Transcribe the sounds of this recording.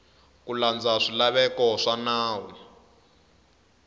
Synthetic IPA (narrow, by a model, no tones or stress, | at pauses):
kuland͡zaʂilaβɛkɔʂanaːwɛ